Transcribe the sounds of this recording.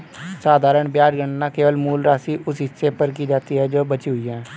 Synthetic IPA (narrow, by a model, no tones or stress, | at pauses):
saːd̪ʱaːɾəɳbjaːd͡ʒɡəɳnãːkeːʋəlmuːlɾaːsiːʔʊsɦɪsːeːpəɾkiːd͡ʒaːt̪iːɦɛːd͡ʒoːbət͡ʃiːɦʊiːjɛ̃ː